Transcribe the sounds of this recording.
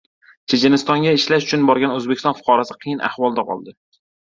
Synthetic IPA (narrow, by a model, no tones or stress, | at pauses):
t͡ʃʰed͡ʒɪnɪst̪ɒŋɡʲaɪʃlaʃʊt͡ʃʰʊnbɒɾɡʲanɵzbekʲɪ̥st̪nfʊ̥qʰɒɾasɪqʰɨjɪna̰hvɒlˠd̪aqʰɒ̰lˠd̪ɪ